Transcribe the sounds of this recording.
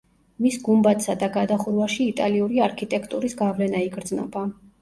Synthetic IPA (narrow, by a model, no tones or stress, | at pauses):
misɡumbat̪sad̪aɡad̪aχuɾvaʃiːt̪ʼaliuɾiaɾkʰit̪ʼɛkʰt̪ʼuɾisɡavlɛnaiɡɾd̪znɔ̰ba